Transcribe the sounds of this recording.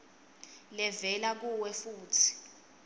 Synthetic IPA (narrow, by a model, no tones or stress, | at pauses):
lɛvɛlak̬uwɛfuːtʰi̥